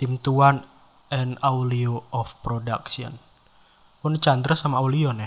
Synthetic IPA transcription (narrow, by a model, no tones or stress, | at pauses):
t̪imt̪uan | ɛnawlioɔfpɾoda̰ksiɔ̰n | pʊnt͡ʃand̪ɾasamauliɔnɛh